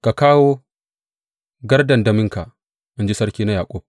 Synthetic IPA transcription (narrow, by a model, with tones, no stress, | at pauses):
ka˨kaː˦woː˦ | ɡɐ˦rdɐ˨ndɐ˨mɪ˦ŋka˨ʔ | ʔa˦nd͡ʒi˦sɐ˦ɽkʲiː˦na˦jaː˨kʷʼoː˦